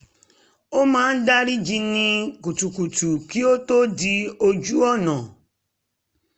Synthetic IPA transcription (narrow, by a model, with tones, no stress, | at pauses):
o˦mãː˦n̩˦da˦ɾi˦d͡ʒi˧nĩ˧ku˨tu˨ku˨tu˨ki˦o˦to˦di˧o˧d͡ʒu˦ɔ˦˨nã˨